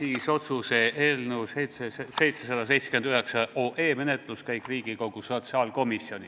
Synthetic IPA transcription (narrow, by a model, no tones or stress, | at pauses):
siːso̞t̪suse̞ʔeːlnewsejt̪seese̞jt̪sesɑd̪̥ɑs̬e̞jt̪se̥kyend̪yɦeksɑoːʔe̞ːme̞net̪ˑluskæjkˑriːɡ̥iko̞ɡ̥uso̞t̪sɑːlko̞misio̞nʲi